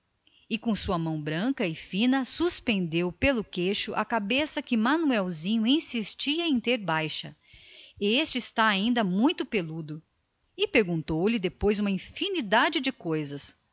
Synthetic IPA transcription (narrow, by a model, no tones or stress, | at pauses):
ɪkõsuɐmɐ̃w̃bɾɐ̃kɐɪfĩnɐsuspẽnd̪ewpelʊkeʃʊʔɐkabesɐkɪmanuɛwzĩɲʊĩsist͡ʃiɐẽt̪eɾbajʃɐ | est͡ʃɪːst̪aaĩnd̪ɐmũj̃t̪ʊpelud̪ʊ | ɪpeɾɡũnt̪owlɪd̪epojzũmɐĩfinid̪ad͡ʒɪd͡ʒɪkojzɐs